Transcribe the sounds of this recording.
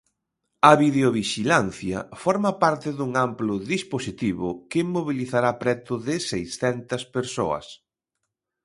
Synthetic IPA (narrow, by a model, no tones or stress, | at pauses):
ɐβiðeoβiʃilanθjɐ̰fɔɾmɐpaɾt̪ɪðuŋamplʊðisposit̪iβʊkɪmːoβiliθaɾapɾɛt̪ʊðɪsejsθɛnt̪ɐspeɾso̰ɐ̰s